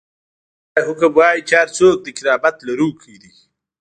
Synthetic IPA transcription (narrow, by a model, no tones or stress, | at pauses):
ɦʊkabwaːjt͡ʃaːɾt͡soːk̚d̪əkɪɾaːbat̪laɾukʰid̪i